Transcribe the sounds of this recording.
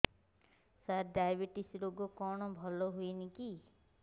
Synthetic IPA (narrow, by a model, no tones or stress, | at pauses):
saɾɖajbeʈisɾoɡokɔɽ̃ɔbʱɔlɔɦuiniki